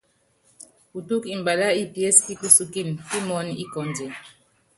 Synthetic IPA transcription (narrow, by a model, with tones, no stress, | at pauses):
hu˨tu˦ki˨nba˨la˦i˦pi˨ɛ˦ski˦ku˦su˦ki˦˨nfi˦mɔ˦ni˦kɔ˨nd͡ʒɛ˨